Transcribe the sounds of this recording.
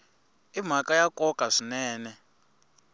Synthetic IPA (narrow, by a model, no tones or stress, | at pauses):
im̤akʼajakʼɔkʼaʂinɛːnɛ